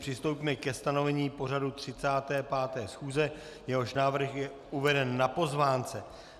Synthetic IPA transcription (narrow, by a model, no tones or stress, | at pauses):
pr̝̥ɪst̪owpiːmɛkɛst̪ano̞vɛɲiːpo̞ɾadut̪r̝̥ɪt͡saːt̪ɛːpaːt̪ɛːsxuːzɛ | jɛɦo̞ʃnaːvr̩xjɛ | ʔuvɛdɛnːapo̞zvaːnt͡sɛ